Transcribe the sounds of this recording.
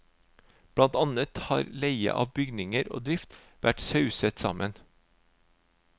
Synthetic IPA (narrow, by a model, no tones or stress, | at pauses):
b̥ɽɑnt̪ɑnət̪hɑːɾleɪə̰ʔɑːʋbʏɡnɪŋəɾo̰ːd̪ɾɪft̪ | ʋʔæʈsɑʉsət̪sɑ̰mʔən